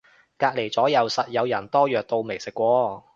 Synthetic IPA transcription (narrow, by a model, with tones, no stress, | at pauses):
kaː˧k̚le˨˩jt͡sɔː˨˥jɐ˨˧wsɐ˨t̚jɐ˨˧wjɐ˨˩nt̪ɔː˥jœː˨k̚t̪o˧wme˨˩jsɪ˨kːʷɔː˧